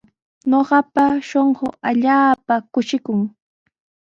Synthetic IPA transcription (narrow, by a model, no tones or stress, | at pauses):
ɲoɢɑpaʃoɴɢoaʎaːpakʊʃɪkʊŋ